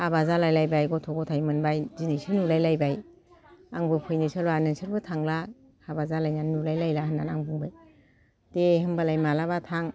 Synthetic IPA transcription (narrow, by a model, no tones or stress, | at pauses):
abazalajlajbajɡɔtʰɔɡɔtʰajmɯnbajzinijsinulajlajbaj | aŋbɯpʰujnisɯlwanɯnsɯɾbɯtʰaŋla | kʰabazalajnannulajlajlaɦɯnːanaŋbuŋbɯj | tehɯmbalajmalabatʰaŋ